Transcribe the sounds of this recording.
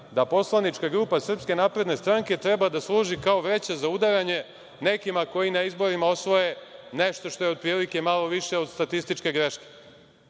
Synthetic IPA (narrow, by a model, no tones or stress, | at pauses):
d̪apo̞slˠanit͡ʃkaɡɾuːpasr̩pske̞naːpɾe̞d̪ne̞st̪ɾaŋke̞t̪ɾe̞bad̪aslˠuːʒikao̞ʋe̞t͡ɕezaud̪aɾaɲe̞ | ne̞kimako̞inaizbo̞ɾimao̞sʋo̞je̞ne̞ʃt̪o̞ʃt̪o̞jeo̞d̪̚pɾiːlike̞malˠo̞ʋiʃe̞o̞d̪st̪at̪ist̪it͡ʃke̞ɡɾe̞ʃke̥